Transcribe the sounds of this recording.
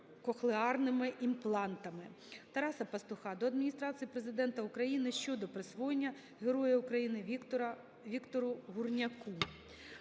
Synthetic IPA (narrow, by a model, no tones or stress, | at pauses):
kɔxlˠeɑrnɪmɪʔimplˠɑnt̪ɐmɪ | t̪ɐɾɑsɐpɐst̪ʊxɑd̪ɔɐd̪mʲinʲist̪ɾɑt͡sʲijipɾezɪd̪ɛnt̪ɐukɾɐjinɪʃt͡ʃɔd̪ɔpɾɪsʋɔjenʲːɐ | ɦeɾɔjɛʊkɾɐjinɪɐ | ʋʲikt̪ɔɾʊɦurnʲɐku